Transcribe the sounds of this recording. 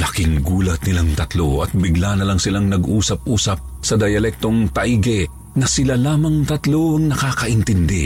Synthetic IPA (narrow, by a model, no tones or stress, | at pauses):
lɐkɪŋɡuːlɐt̪̚nɪlaŋt̪ɐt̪loʔɐt̪̚bɪɡlanɐlaŋsɪlaŋnɐɡʔuːsɐp̚ʔuːsɐp̚ | sɐd̪ɐjɐlɛk̚t̪oŋt̪ɐʔiɡɛ | ŋɐsɪlalaːmɐŋt̪ɐt̪loɐŋnɐkaːkɐʔɪnt̪ɪnd̪ɛ̰